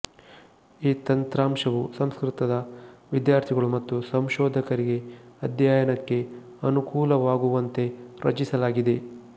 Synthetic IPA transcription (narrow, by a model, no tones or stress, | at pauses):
iːt̪ɐnt̪ɾaːmʃɐʋusɐmskɾit̪ɐd̪ɐʋid̪jaːɾt̪ʰiɡɐɭumɐt̪ːusɐmʃɔːd̪ʱɐkɐɾiɡe̞ɐd̪jaːjɐnɐkːe̞ | ɐnukuːlɐʋaːɡuʋɐnt̪e̞ɾɐ̰t͡ʃisɐlaːɡid̪e̞